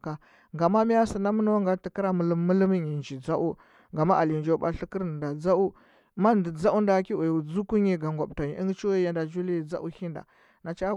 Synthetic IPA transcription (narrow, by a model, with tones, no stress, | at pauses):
ka˨ | ŋɡa˨ma˦mi˦ja˦si˨na˦mə˦no˦ŋɡa˨ti˨ki˦ɾa˦mə˨lu˦mːu˦li˦mi˦ɲi˨nd͡ʒi˨d͡za˦ʔu˦ | ŋɡa˨ma˦ʔa˨li˨nd͡ʒo˦ba̰˦ɬi˦ki˦ɾn˨nda˨d͡za˦u˦˨ | ma˦ndi˨d͡za˦u˦nda˨˦ki˦u˨jd͡zu˦ku˦ɲi˨ɡa˨ŋɡa˨bta˨ɲi˨ʔi˦ŋɡt͡ʃi˦ja˨nda˨d͡ʒu˦li˦˨d͡za̰˦ʔu˦hi˦nda̰˨ | na˨t͡ʃa˦